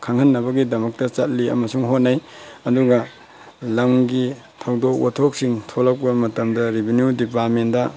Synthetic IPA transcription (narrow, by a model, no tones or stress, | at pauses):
kʰaŋhɐnːɐβɐɡidɐmɐk̚tɐt͡ʃɐt̚liɐ̰mɐsuŋɦot̚naj | ɐduɡɐ | lɐmɡi | tʰɐwdok̚watʰok̚siŋtʰolɐk̚pɐmɐtɐmdɐɾibʱinjudipat̚mendɐ